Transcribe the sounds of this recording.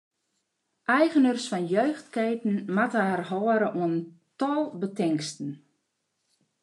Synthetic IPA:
ʔɛjɣənərsfɔnjøːxtkeːtn̩matəɛrhɔəɾəʔuəntɔlˠbətɪŋkstən̩

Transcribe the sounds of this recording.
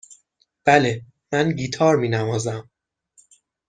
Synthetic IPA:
b̥æle | mænɟiːt̪ʰɒːɾmiːnæmɒːzæm

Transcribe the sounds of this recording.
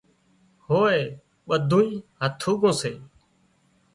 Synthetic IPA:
hoːeː | ɓəd̪ʱũːĩːɦət̪ʰuːɡõːseː

